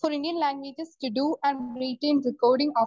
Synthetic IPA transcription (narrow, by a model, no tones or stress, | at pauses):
fɔːɾɪ̃ɳɖiə̃nlæ̃ːŋɡʋeːd͡ʒɪsʈuɖuːʔæ̃ɳɾiʈẽːnd̪əkoːɾɖɪ̃ŋɔː